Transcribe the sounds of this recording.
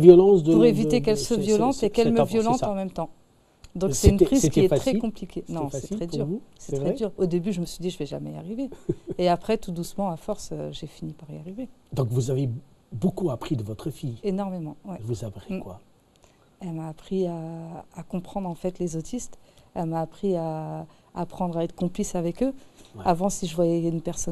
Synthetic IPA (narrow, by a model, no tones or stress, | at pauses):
vjɔlɑ̃sd̪əpuʁevit̪ekɛlswavjɔlɑ̃t̪ekɛlmɛʁvjɔlɑ̃t̪ɑ̃mɛmt̪ɑ̃ | d̪ɔ̃ksɛynpχizkʲiɛt̪χɛkkɔ̃plikʲenɔ̃sɛt̪χɛd̪yʁusɛt̪χʁɛd̪yʁod̪ebyʒəməsɥid̪iʒəvɛʒamɛia̰ʁiveːapχɛt̪ud̪usmɑ̃afɔʁsøʒefinipaʁiaʁived̪ɔ̃kvuzave | bokuapχid̪əvɔt̪χəfijenɔʁmemɑ̃wɛvuzapʁikwa | ɛlmaːpχiaːkɔ̃pχɑ̃d̪ʁɑ̃fɛt̪lezot̪ist̪ɛlmaːpχia | aːpχɑ̃d̪ʁaɛt̪χə̥kɔ̃plisavɛkøavɑ̃siʒəvwajɛynpɛʁsɔ